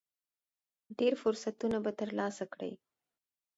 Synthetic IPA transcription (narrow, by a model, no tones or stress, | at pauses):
ɖeɾfʊɾsat̪unabat̪əɾlɑsakɽə̰j